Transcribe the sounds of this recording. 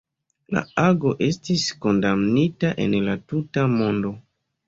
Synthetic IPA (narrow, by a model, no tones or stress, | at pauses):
la̰aɡo̞ʔe̞stisko̞ndamnitaʔe̞̰nlatutamo̞ndo̞